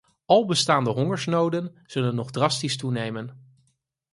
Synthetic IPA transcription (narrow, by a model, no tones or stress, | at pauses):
ʔɑlˠbəstaːndəɦɔŋəɹsnowdənz̥ɵlənːɔχdrɑstistunejmən